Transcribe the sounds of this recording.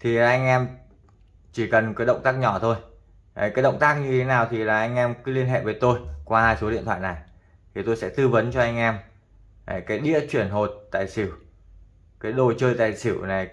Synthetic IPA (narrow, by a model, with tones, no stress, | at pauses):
t̪ʰi˨˩aː˨˩ʔa˧jŋ̟ʔɛ˧m | t͡ɕi˧˩kə˨˩nkɨː˨˦ɗə̰˧˨wŋ͡mt̪aː˦˥k̚ɲɔ˧˩t̪ʰo˧j | kaː˨˦ɗə̰˧˨wŋ͡mt̪aː˦˥k̚ɲɨ˧t̪ʰe˨˦naː˨˩wt̪ʰi˨˩laː˨˩ʔa˧jŋ̟ʔɛ˧mkɨ˨˦li˧ənɦḛ˧˨vəː˨˦jt̪o˧jkwaː˧haː˧jso˨˦ɗḭ˧ət̪ʰwa̰ː˧˨na˨˩j | t̪ʰi˨˩t̪o˧jsɛ̰˧˥t̪ɨ˧və˨˦nt͡ɕɔ˧ʔa˧jŋ̟ʔɛ˧m˨˩ | kaː˨˦jɗḭ˧˥ət͡ɕwi˧˩ənɦo˨˩t̚t̪a̰ː˧˨jsi˧˩w | kaː˨˦jɗo˨˩t͡ɕəː˧jt̪a̰ː˧˨jsi˧˩wna˨˩j